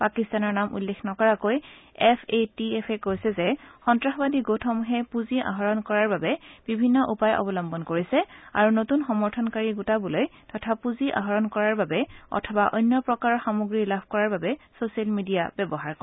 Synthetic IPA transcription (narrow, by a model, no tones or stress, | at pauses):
pakistanɔɹnamʔṵlːekʰnɔkɔɹakojɛpʰetiɛpʰɛkojsɛzɛxɔntɹaxɔbadiɡotʰɔmuɦɛpuziʔa̰ɦɔɹɔnkɔɹaɹbabɛb̥ibʱinːɔʔupajʔɔ̰bɔlɔmbɔnkoɹisɛa̰ɹunotunxɔmɔɹtʰɔnkaɹiɡutabulojtɔtʰapuziʔa̰ɦɔɹɔnkɔɹaɹbabɛɔ̰tʰɔbaʔɔ̰jnːɔpɹɔkaɹɔxamoɡɹilabʱkɔɹaɹbabɛsosialmidijabɛbɔɦaɹkɔ